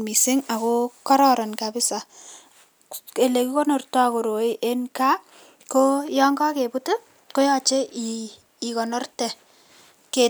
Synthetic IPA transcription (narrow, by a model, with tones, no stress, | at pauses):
mi˨sɪ˦ŋa˨ko˦ka˦ɾɔ˦ɾɔ˨nka˨bɪ˦sa˨ | ke˨le˨ki˦ko˦no˨rtɔ˦˨ko˨ɾo˨i˦ʔe˦nka˦ | ko˦jɔ˦ŋɡɔ˦ke˨pu˦tu˦ | ko˦jɔ˦t͡ʃe˦ʔiː˨ | kɔ˨nɔ˦rtɛ˨ | ke˨